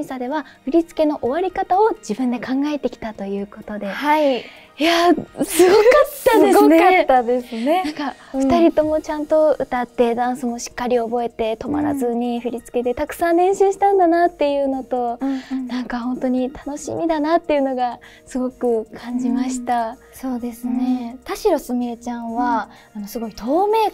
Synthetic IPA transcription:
isad̪e̞βaɸɯ̟ɾʲit͡sɨ̥ke̞no̞ʔoβaɾʲikat̪ao̞d͡ʑibɯ̟̃nd̪e̞kãŋɡaet̪e̞kʲi̥t̪at̪o̞jɯ̟ːko̞t̪o̞d̪e̞ha | jasɨɡokat̪ːaseɡokat̪ːad̪e̞sɨne̞ãŋka | ɸɯt̪aɾʲit̪o̞mo̞t͡ɕãnt̪o̞ɯ̟t̪at̪ːe̞d̪ãɰ̃sɨmo̞ɕi̥kːaɾʲio̞bo̞e̞t̪e̞t̪o̞ma̰ɾa̰zɨɲ̟iɸɯ̟ɾʲit͡sɨ̥ke̞t̪e̞t̪akɯ̟̥sãnɾẽ̞ɰ̃ɕɨːɕi̥t̪ãnd̪anat̪ːe̞jɯ̟ːno̞t̪o̞nãŋkahõ̞nt̪o̞ɲ̟it̪ʰano̞ɕḭmʲid̪anat̪ːe̞jɯ̟no̞ɡa | sɨɡo̞kɯ̟kʰãɲ̟d͡ʑimaɕi̥t̪a | so̞ːd̪e̞sɨne̞t̪aɕiɾosɨmʲiet͡ɕãβaː | no̞sɨɡo̞it̪ʰo̞ːme̞ː

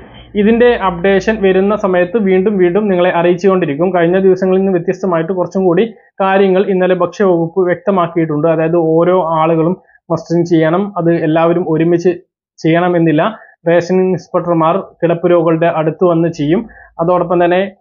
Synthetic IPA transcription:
iðinde̞ʔɐp̚ɖe̞ːʂɐnʋɐɾunːɐsɐmɐjɐt̪ːɨʋiːɳɖumʋiːɳɖumniŋːɐɭe̞ʔɐrijit͡ɕːikːo̞ːɳɖiɾikʲːumkɐɻiɲːɐd̪iʋɐsɐŋːɐɭinːɨʋjet̪jɐst̪ɐmaːjiʈːɨkurɐt͡ɕːumkuːɽi | kaːɾjɐŋːɐɭinːɐlebʱɐkʂɐʋɐɣupːɨʋjek̚t̪ɐmaːkːijiʈːuɳɖɨɐðaːjɐðɨo̞ːɾo̞ːaːɭuɣɐɭumː | ɐsʈint͡ɕe̞jːɐɳɐmɐðɨelːaːʋɐɾumoɾumit͡ɕːɨ | t͡ɕe̞jːɐɳɐme̞nːilːɐ | re̞ːsɐnŋspɐʈːɐrmaːrkiɽɐpːuɾo̞ːɣɐɭɽeʔɐɽut̪ːuʋɐnːɨt͡ɕe̞jːumɐðoːɽɐp̬ːɐmt̪ɐnːe̞

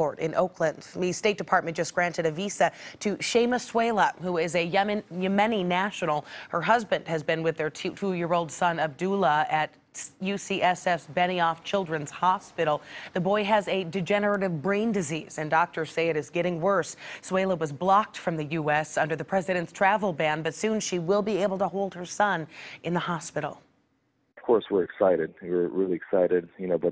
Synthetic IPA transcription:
ɔɹɾɨ̰̃nʔo̰ʊkʰlɨ̃ndmisteɪt̚d̥ɨpʰɑɹt̚mɨ̃nd̥ʒ̥ʌsɡ̥ɹæ̃ntɨɾɨvisɨɾɨʃẽɪ̃məsweɪlˠəhuɪzɨjjɨmɛninæʃɨnl̩ˠhə˞ɦʌzbɨ̃nd̥̚ɨzbɨ̃nwɨðə˞tʰtʰujɪɹoʊlˠd̥sʌ̃nʌb̚dulˠəɨt̚ | jʉsiʔɛsɛfsb̥ɛñiɔft͡ʃʰɪlˠdɹɨ̃nz̥hɑspɪɾl̩ˠðɨbɔɪɨzɨdɨd͡ʒɛnə˞ɨɾɨvbɹẽɪ̃ndɨziz̥ɨ̃ndɑk̚tʰə˞seɪɨɾɨzɡɛɾɪ̃ŋwɜ˞ssweɪlˠoʊwʌzblɑk̚tfɹʌ̃mðɨjʉɛsʌ̃ndə˞ðɨpʰɹ̥ɛzɨɾɨ̃ntstʰɹ̥ævl̩ˠbæ̃nbʌtsʉ̃nʃiwɪlˠbieɪbl̩ˠtʰəhoʊlˠd̚ə˞sʌ̃nʔɨ̃nðəhɑspɪɾl̩ˠ | ʌv̥kʰɔɹswɪɹɨksaɪɾɨd̚wɪɹɹɪlˠiɨksaɪɾɪd̚jɨnoʊbʌ

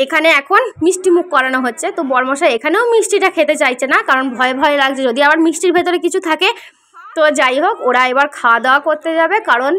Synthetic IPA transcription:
ekʰaneɛkʰonmiʃʈimukʰːɔɾanoɦotːɕʰet̪obɔɾmoʃaekʰaneomiʃʈiʈakʰet̪et͡ɕajt͡ɕʰenakaɾonbʱɔebʱɔelaɡt͡ɕʰed͡ʑod̪iabaɾmiʃʈiɾbʱet̪oɾekit͡ɕʰut̪ʰake | t̪od͡ʑajɦokoɾaebaɾkʰad̪aakoɾt̪ed͡ʑabekaɾon

